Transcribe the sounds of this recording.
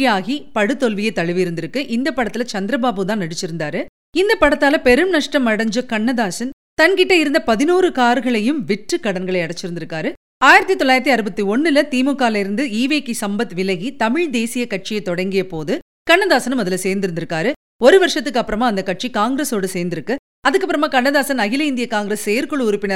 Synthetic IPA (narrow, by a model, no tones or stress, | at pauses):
jaːɣipɐɽɯt̪ːɔlʋɪjɐt̪ɐɻɪʋɪjɪɾɯnd̪ɪɾɯkːɯʔɪnd̪ɐpːɐɽɐt̪ːɪlɐt͡ʃɐnd̪ɪɾɐbaːbɯt̪ãːnɐɽɪt͡ʃːɪɾɯnd̪aːɾɯ | ɪnd̪ɐpɐɽɐt̪ːaːlɐpɛɾɯmnɐʂʈɐmːɐɽɐɲd͡ʒɯkɐɳːɐðaːsɐn | t̪ɐnkɪʈːɐɪɾɯnd̪ɐpɐðɪnuːɾɯkaːɾɣɐɭɐjɯmʋɪʈrɯkːɐɽɐnɡɐɭɐɪɐɽɐt͡ʃːɪɾɯnd̪ɪɾɯkːaːɾɯ | aːjɪɾɐt̪ːit̪ɔlːaːjɪɾɐt̪̬ːiɐɾɯbɐt̪ːiɔɳːɪlɐt̪iːmokːaːlɐɪɾɯnd̪ɯiːʋeːkisɐmbɐt̪ːʋɪlɐɣit̪ɐmɪɻd̪eːsɪjɐkɐʈ̚t͡ʃɪjɐɪt̪ːɔɽɐŋɡɪjɐpoːðɯ | kɐɳːɐðaːsɐnɯmɐðɪlɐseːɾnd̪ɪɾɯnd̪ɪɾɯkːaːɾɯ | ɔɾɯʋɐɾʂɐt̪ːɯkːɐpːɯɾɐmaːɐnd̪ɐkːɐʈ̚t͡ʃikaːŋɡɾesoːɽɯseːɾnd̪ɪɾɯkːɯ | ɐðɯkːɐpːɯɾɐmaːkɐɳːɐðaːsɐnɐɣɪlɐɪnd̪ɪjɐkaːŋɡɪɾesːɛjɐɾkɔɭɯʊɾɪpːɪnɐ